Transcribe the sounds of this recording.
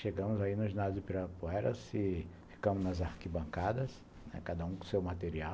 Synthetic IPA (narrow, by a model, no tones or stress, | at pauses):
ʃeɡɐ̃mʊzainʊznad̪zɪpiɾapoɛɾɐ̰sɪ | fi̥kɐ̃mʊznɐzaɾkibɐ̃ŋkad̪ɐs | nɛ̰kad̪ɐũksewmat̪eɾia